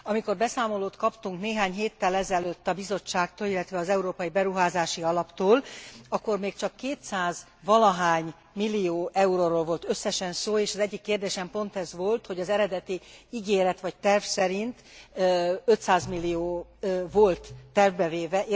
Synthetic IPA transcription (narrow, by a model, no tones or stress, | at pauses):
ɒmiko̞rbɛsaːmo̞loːt̪kɒpt̪uŋkneːɦaːɲɦeːt̪ːɛlɛzɛløt̪ːɒbizo̞t͡ʃːaːk̚t̪oːlilːɛt̪ʋɛɒzɛuɾoːpɒibɛɾuɦaːzaːʃiɒlɒpt̪oːlɒkːo̞rmeːkt͡ʃɒkːeːt̪saːz | vɒlɒɦaːɲ | milːioːʔɛuɾoːɾoːlvo̞lt̪ø̞sːɛʃɛnsoːeːʃɒzɛɟːikːeːrd̪eːʃɛmpo̞nt̪ɛzʋo̞lt̪ho̞ɟɒzɛɾɛd̪ɛt̪iiɡeːɾɛt̪ʋɒc̚t̪ɛrfsɛɾint̪ | ø̞t̪saːzmilːioːvo̞lt̪ːɛrvbɛveːvɛʔ